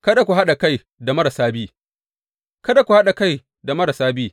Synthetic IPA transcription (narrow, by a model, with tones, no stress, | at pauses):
kɐ˦da˨kʷu˨ɦa˦ɗa˨ka˦j | da˨mɐ˦ɽɐ˨saː˦biː˦ | kɐ˦da˨kʷu˨ha˦ɗa˨ka˦˨j | da˨mɐ˦ɽa˨saː˦biː˦